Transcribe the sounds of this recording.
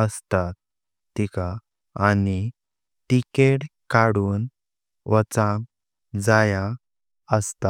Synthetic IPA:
əst̪at̪̚ː | ika | ani | ʈikeʈkaɽuːn | ʋət͡sãŋ | d͡zaja | əst̪a

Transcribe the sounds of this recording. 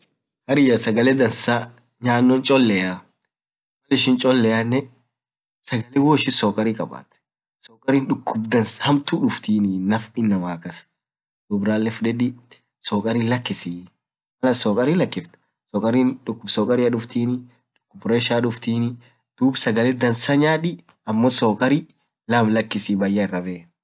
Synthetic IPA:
hɐɾɪjɐsɐɡɐlɛd̪ɐnsaː | ɲaːnːɔnt͡ʃʼɔlːɛja | wɐlɪʃɪnt͡ʃʼɔlːɛanːɛ | sɐɡɐlɛwoːɪʃɪsɔːkʼɐɾikʼɐba̰ːt̪ | sɔːkʼɐɾiːnᶑʊkːʊbd̪ɐnshɐmt̪uːᶑʊft̪iːnɪnɐfɪnːɐmaːkɐs | d̪̥ʊbɾaːlːɛfᶑɛᶑi | sɔːkʼɐɾiːlɐkːɪsiː | mɐlɐsɔːkʼɐɾiːlɐkːɪft̪ɐ̥ | sɔːkʼɐɾiːᶑʊkːʊbsɔːkʼɐɾiːɐᶑʊft̪iːnɪ | ᶑʊ̥kːʊbɾeʃaᶑʊft̪iːnɪ | d̪̥uːbsɐɡɐlɛd̪ɐnsɐɲaːᶑɪ | ɐmːosoːkʼɐɾiː | lɐmlɐkːɪsibɐjːɐɪrːɐbɛː

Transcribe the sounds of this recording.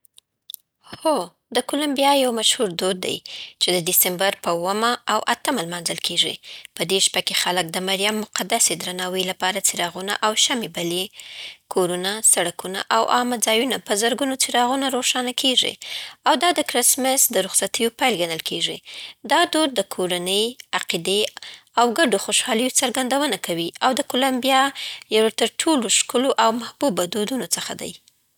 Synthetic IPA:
xo | d̪əkolambijɑjawmaʃhuɾd̪od̪̚ːa̰jt͡ʃed̪əd̪ɪsembaɾpəuwəmaːwʔat̪əmalmɑnzəlkʰeʐḭpəd̪eʃpakexalək̚d̪əmaɾjamːʊqad̪ased̪ɾanɑwəjlapɑɾat͡siɾɑɣuna̰ʔawʃamebalekʰoɾunasaɽakuna̰ʔawʔɑmad͡zɑjunapəzəɾɡunot͡sɪɾɑɣunaɾoʂɑnakʰeʐḭawd̪ɑd̪əkɾɪsmɪsd̪əɾʊxsat̪əjopajlɡanəlkʰeʐid̪ɑd̪oɾd̪əkʰoɾanəjaqid̪eawɡaɖoxoʃɑləjot͡saɾɡand̪awənakʰawiʔawd̪əkolambijɑjawt̪əɾʈʰoloʃkʊloʔawmahbubad̪od̪unot͡səxa̰d̪a̰j

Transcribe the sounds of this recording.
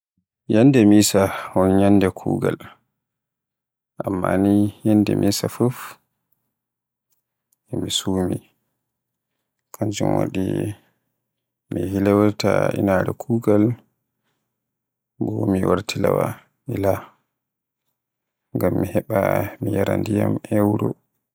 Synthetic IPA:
jandɛmisahɔnjanːdɛkʰuːɡal | ʔamːanijandɛmʔiːsafuf | ɛmisuːmi | kʰand͡ʒṵmwa̰ɗi | miɦilɛwaɾtainaɾɛkʰuːɡal | bɔmiwaɾtʰilawa | ila | ŋɡamːihɛɓamijaɾandijamɛwɾɔ

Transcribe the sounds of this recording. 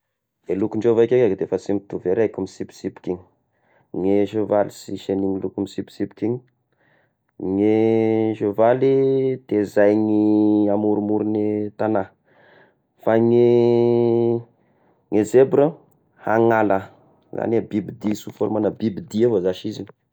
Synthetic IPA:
elukuɳɖ͡ʐevajkʲekakd̪efəsimt̪uveɾajkumisipi̥sipkiɲi̥ | ŋeʃovalisiʃeniŋilukumisipi̥sipu̥kiɲi | ŋeʃovalit̪ezajŋiamuɾumuɾinit̪ana | faŋi | ŋezebɾə | haŋala | za̰nabibid̪isufolmanabibid̪ievozaʃizin

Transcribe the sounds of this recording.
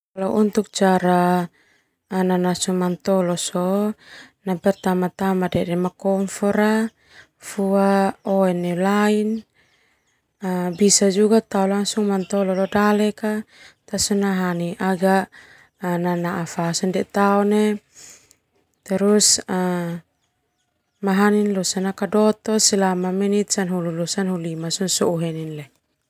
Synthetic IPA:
alaʔunt̪uk̚t͡ʃaɾa | nanasuŋmant̪ɔlɔsɔ | napɛrt̪amat̪amadɛdɛmakɔmfɔɾa | fuaɔɛnɛlain | əbisad͡ʒuɡat̪aulaŋsuŋmant̪ɔlɔlɔdalɛkat̪asunaɦaniʔaɡa | nanaʔafasɔndɛt̪aɔne | t̪ɛɾusa | maɦaninlusanakadɔt̪ɔsilamamɛnit̪sanɦululusanhulimasɔnsɔuɦɛninlɛ

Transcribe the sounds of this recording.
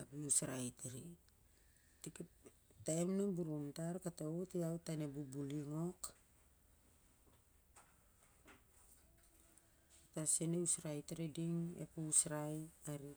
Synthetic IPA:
apiusɾajtaɾi | tik | taemnabuɾumtaɾkatautiawtanebubuliŋo̞k | taseneusɾajtaɾidiŋḛpuusɾajaɾi

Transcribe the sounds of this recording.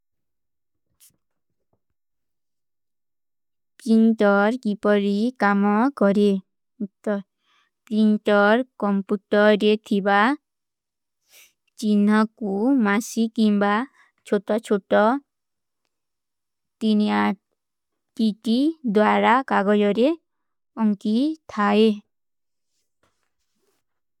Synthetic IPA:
pinʈɔɾkipɔɾikamɔkɔɾe | t̪ɔ | pinʈɔɾkɔmpuʈɔɾet̪ʰiba | t͡ʃinɔkumasikimba | t͡ʃʰoʈɔt͡ʃʰoʈɔ | t̪inia | ʈiʈid̪waɾakaɡɔjɔɾe | ɔŋkit̪ʰae

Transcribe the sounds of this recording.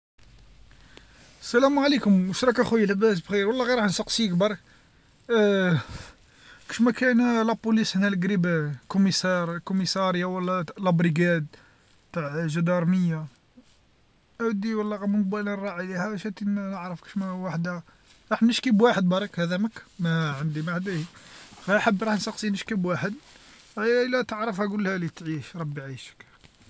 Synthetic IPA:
sːælæmʕalikʊmwəʃɾˤɑkæxujːləbæs̬bxiɾwlːɑɣiɾˤɑħnsɑqsiək̚bɑɾˤɑk | ki̥ʃmækænlæpulishnælɡɾibkʊmisɑɾˤkʊmisɑɾjawəlːælæbɾiɡæd̪̚ | t̪aʕʒæd̪ɑɾˤməjːa | ʔæwd̪iwəlːæɣæmnq̚bælərˤːɑʕilihæʃæt̪innəʕɾəfki̥ʃmæwaħd̪hæ | ɾˤɑħnəʃkibwaħəd̪̚bɑɾˤɑkhæd̪æməkmæʕənd̪imaʕd̪ihɣæħəbːɾˤɑħnsɑqsinəʃkəbwaħəd̪ | ælːæt̪əʕɾəfhæɡʊlːhælit̪ʕiʃɾˤɑbːiʕiʃə̥k

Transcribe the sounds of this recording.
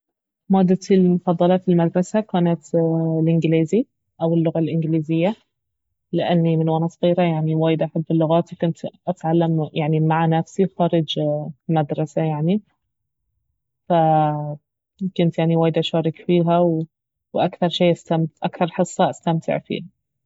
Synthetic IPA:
maːd̪ːalmʊfɑðˤːɑlɑfilmad̪ɾˤɑsakaːnat̪lʔɪnɡliːzi | ʔawɪlːʊɣalʔɪnɡɪliːzɪjːa | lɪʔanːimɪnwaːnɑsˤɑɣiːɾajaʕniwaːjɪd̪ʔaħabːɪlːʊɣaːt̪ikʊnt̪ʔat̪ʕalːamjaʕnimaʕanafsixɑːɾˤɑd͡ʒmad̪ɾˤɑsajaʕni | fa | kʊnt̪jaʕniwaːjɪd̪ʔaʃɑːɾˤɪkfiːɦaw | wʔakθɑɾˤʃeːʔast̪amʔakθɑɾˤħɨsˤːɑʔast̪amt̪ʰɪ̰ʕfḭːha

